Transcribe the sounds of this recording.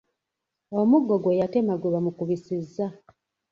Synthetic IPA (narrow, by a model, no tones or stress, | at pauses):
omuɡoɡwejate̞maɡwuβamukuβisizːa